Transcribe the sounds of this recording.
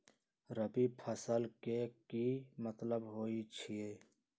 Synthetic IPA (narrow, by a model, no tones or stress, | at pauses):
ɾəbipʰəsəlkekimɐt̪ləbɦoːit͡ʃʰieː